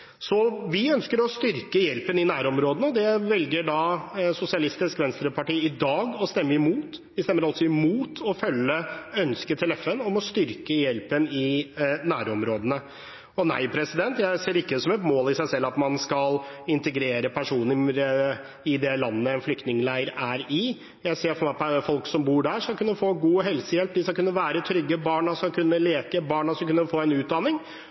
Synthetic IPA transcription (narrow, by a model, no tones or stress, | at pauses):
sɔʋɪœnskəɾɔst̪ʏɾkəjɛlpənɪnæːɾɔmɾoːd̪ənəɔd̪ɛʋɛlɡəɖɑsʊsɪɑlɪst̪ɪskʋɛnst̪ɾəpɑʈiːɪd̪ɑːɡɔst̪ɛmːəɪmuːt̪ʋɪst̪ɛmːəɾɑlsɔɪmuːt̪ʰɔfœlːəœnskət̪ʰɪlɛfɛnɔmɔst̪ʏɾkəjɛlpənɪnæːɾɔmɾoːd̪ənə | ɔnæ̰ɪpʰɾɛsɪd̪ɛnt̪jæɪseːɾɪkːəd̪ɛsɔmɛt̪moːlɪsæɪsɛlːɑt̪mɑnskɑlɪnt̪əɡɾeːɾəpʰæʂuːnɾ | ɪd̪ɛlɑnːəɛnflʏk̚t̪nɪŋlæɪəɾæɾɪ | jæɪseːɾfɔɾmæɪpʰɔfɔlksɔmbuːɖæʂɑkʉnːəfoːɡuːɦɛlsəjɛlp̚d̪ɪsɑkʉnːəʋæːɾət̪ʰɾʏɡːəbɑːɳɑsɑkʰʉnːəleːkəbɑːɳɑsɑkʉnːəfoːɛnʉːt̪̚d̪ɑnːɪŋ